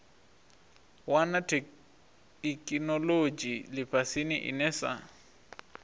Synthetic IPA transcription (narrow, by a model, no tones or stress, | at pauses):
wanatʰ | kʼinɔlod͡ʒilɪpʰʼasinɪʔɪ̰nɛsa̰